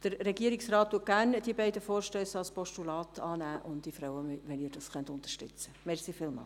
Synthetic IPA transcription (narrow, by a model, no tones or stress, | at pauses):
d̥əɾɾɛɡiəɾɪksrɑːttuət̚ɡ̥æːrnd̥iəbɛɪdəfoːɾʃtøːsɑlspɔʃtulɑːt̪ʰɑːnæːʔʊntdifɾawəmʋɛniːɾd̥ɑsχœntʊntəʃtʏ̰t͡səmɛɾsifɪlmɑ̰ːl